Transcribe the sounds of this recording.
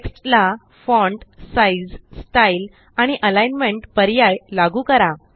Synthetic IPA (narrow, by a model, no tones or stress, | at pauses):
eksʈla | fɔɳʈsaid͡zsʈail | aɽ̃iʔəlajnmeɳʈpəɾjajlaɡuːkəɾa